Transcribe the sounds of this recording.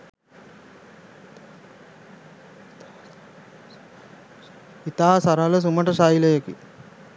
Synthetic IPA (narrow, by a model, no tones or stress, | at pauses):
it̪aːɦɐsɐɾalɐs̬umɐʈɐsaːjilɐjɐkḭ